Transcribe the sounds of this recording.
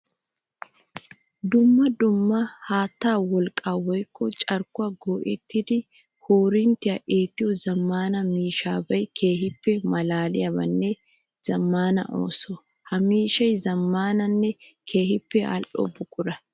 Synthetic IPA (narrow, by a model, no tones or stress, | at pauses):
d̪ʊmːɐd̪ʊmːɐhaːt̪ːaːwɔlkʼaːwɔjkːɔt͡ʃʼɐɾkʊaɡoːʔɛt̪ːɪd̪ɪ | hoːɾɪnt̪ɪɐʔeːt̪ːɪʊzɐmːaːnɐmiːʃaːbɐjkʰeːhɪpːɛmɐlaːlɪjɐbɐnːe | z̥ɐmːaːnɐ̰ʔo̰ːso | hɐmiːʃɐjzɐmːaːnɐnːɛkʰe̞ːɦɪpːɛɐ̰lʔɔ̰bʊkʼʊɾɐ